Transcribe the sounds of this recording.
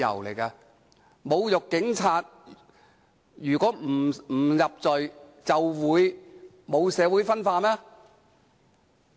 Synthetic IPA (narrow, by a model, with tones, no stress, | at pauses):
ɐ̰˨˩wle˨˩jkɐ˧ | mo˨˧wjʊ˨kːɪ˨˥ŋt͡sʰaː˧t̚ | jyː˨˩kɔː˨˥m̩˨˩m̩ː˨˩jɐ˨p̚t͡sɔ˨jt͡sɐ˨wwuː˨˧j | mo˨˧wsɛː˨˧wu˨˥jfɐ˥nfaː˧tmɛː˥